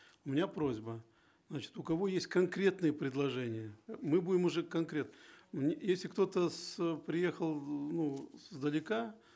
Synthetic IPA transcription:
ʊmʲɪnʲapɾo̞zʲbə | znat͡ɕɪ̥t̪ʊkɐvo̞jesʲtʲkɐnkɾʲe̞t̪nɨjəpɾʲɪd̪lˠɐʐɛnʲɪjəmɨbudʲɪmʊʐɛkɐnkɾʲe̞t̪nəmnʲjesʲlʲɪkt̪o̞t̪əspɾʲɪje̞xəlˠnuszd̪əlʲɪka

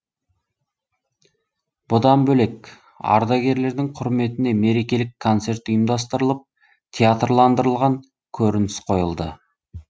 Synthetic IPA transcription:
b̥ʊd̪ɑnbɵle̞k | ɑ̰ɾd̪ɑɡʲe̞ɾle̞ɾd̪ɪŋqʰʊɾme̞t̪ɪne̞me̞ɾe̞kʲe̞lɪkʰːo̞nt̪se̞rt̪ʊjəmd̪ɑst̪əɾəlˠəp̚ | t̪ʲʰeat̪rlˠɑnd̪əɾəlˠʁɑŋ | kʲʰɵɾɪnɪsqʰo̞jəlˠd̪ə̰

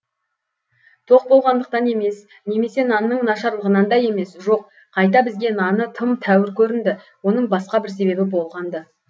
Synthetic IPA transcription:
t̪ʰo̞q̚bo̞lˠʁɑnd̪əq̚t̪ɑne̞me̞s | ne̞me̞se̞nɑnːəɴnɑʃɑɾlˠəʁənɑnd̪ɑje̞me̞sʒo̞q | qʰɑjt̪̬ɑbɪzɡʲe̞nɑnət̪ʰəmt̪ʰæwɪɾkʲʰɵɾɪnd̪ɪ | wo̞n̪əɴbɑsqɑbɪɾse̞be̞bɪbo̞lˠʁɑnd̪ə

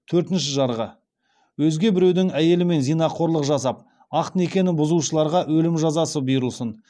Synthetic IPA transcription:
t̪ʰɵɾt̪ɪnʃɪʒɑɾʁə | wɵzɡʲe̞bɪɾe̞wd̪ɪŋæje̞lɪme̞nzijnɑqʰo̞ɾlˠəqʒɑsɑp̚ | ɑqt̪əne̞kʲe̞nɪbʊzuʃəlˠɑɾʁɑʔwɵlɪmʒɑzɑsəbijɾəlˠsən

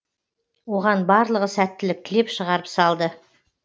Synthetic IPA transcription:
wo̞ʁɑnbɑɾlˠəʁəsæt̪ːɪlɪk̚t̪ʰɪle̞pʃəʁɑɾəpsɑlˠd̪ə

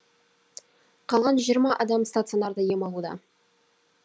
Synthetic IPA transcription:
qʰɑlˠʁɑnʒijəɾmɑʔɑd̪ɑmst̪at̪sɨionɑɾd̪əje̞mɑlˠud̪ɑ̰

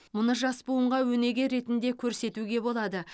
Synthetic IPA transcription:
mʊnəʒɑspuəɴʁɑwɵne̞ɡʲe̞ɾe̞t̪ɪnd̪e̞kʲʰɵɾse̞t̪uɡʲe̞bo̞lˠɑd̪ə

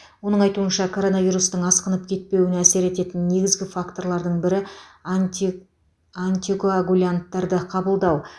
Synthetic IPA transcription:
wo̞nəɴɑjt̪uənʃɑkʰo̞ɾo̞naviɾust̪əɴɑsqənəp̚kʲʰe̞t̪̚pe̞wɪnæse̞ɾe̞t̪e̞t̪ɪnːe̞ɡʲɪzɡʲɪfakt̪o̞ɾlˠɑɾd̪əɴbɪɾɪ | ant̪ʲikoaɡulʲant̪ːɑɾd̪əqʰɑbəlˠd̪ɑw

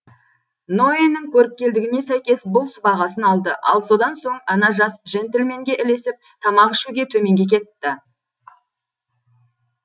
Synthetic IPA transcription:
no̞enːɪŋkʲʰɵɾɪp̚kʲe̞ld̪ɪɡʲɪne̞sæjkʲe̞sbʊlˠsbɑʁɑsənɑlˠd̪əʔɑ̰lˠso̞d̪ɑnso̞ɴɑnɑʒɑsʒent̪elme̞ŋɡʲe̞ʔɪle̞sɪp̚t̪ʰɑmɑʁɪʃuɡʲe̞t̪ʰɵme̞ŋɡʲe̞kʲʰe̞t̪ːɪ

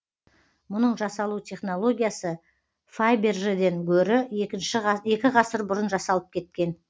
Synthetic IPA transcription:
mʊnəɴʒɑsɑlˠut̪ʲʰe̞χno̞lˠo̞ɡʲijasə | fajbe̞rʒed̪e̞ŋkʲʰɵɾɪkʲɪnʃɪje̞kʲɪʁɑsəɾbʊɾənʒɑsɑlˠəp̚kʲʰe̞t̪̚kʲe̞n

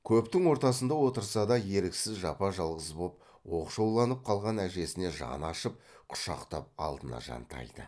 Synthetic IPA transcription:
kʲʰɵpt̪ɪŋwo̞ɾt̪ɑsənd̪ɑwo̞t̪əɾsɑd̪ɑje̞ɾɪksɪzʒɑpɑʒɑlˠʁəsbop̚ | wo̞qʃowlˠɑnəp̚qʰɑlˠʁɑnæʒe̞sɪne̞ʒɑ̰nɑʃəp̚qʰʊ̥ʃɑqt̪ɑp̚ɑ̰lˠd̪ənɑ̰ʒɑ̰nt̪ɑ̰jd̪̥ə̰

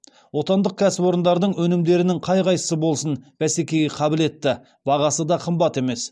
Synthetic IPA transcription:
wo̞t̪ɑnd̪əq̚kʲʰæsɪpo̞ɾənd̪ɑɾd̪əɴwɵnɪmd̪e̞ɾɪnɪŋqʰɑjqɑjt̪ə̥səbo̞lˠsənb̥æsekʲe̞jɡʲeqʰɑbɪle̞t̪ːɪ | bɑʁɑsəd̪ɑqʰəmbɑt̪e̞me̞s

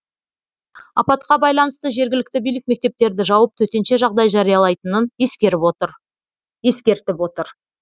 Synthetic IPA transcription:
ɑ̰pɑt̪qɑbɑjlˠɑnəst̪əʒe̞ɾɡʲɪlɪkt̪ɪbijlɪk̚me̞k̚t̪e̞p̚t̪e̞ɾd̪ɪʒɑwəp̚t̪ʰɵt̪e̞nʃe̞ʒɑʁd̪ɑjʒɑɾijɑlˠɑjt̪ənəneskʲe̞ɾɪpot̪ | je̞skʲe̞ɾt̪ɪpot̪əɾ

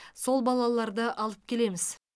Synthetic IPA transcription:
so̞lˠbɑlˠɑlˠɑɾd̪əʔɑlˠəp̚kʲʰe̞le̞mɪz̥

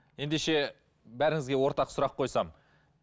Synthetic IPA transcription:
je̞nd̪e̞ʃe̞ | bæɾɪŋʲɪzɡʲe̞wo̞ɾt̪ɑqsʊɾɑqʰːo̞jsɑm

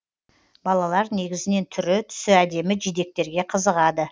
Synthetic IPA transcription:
bɑlˠɑlˠɑɾne̞ɡʲɪzɪne̞nt̪ʰʏɾɪt̪ʰʏ̥sɪæd̪e̞mɪʒijd̪e̞k̚t̪e̞ɾɡʲe̞qʰəzəʁɑd̪ə

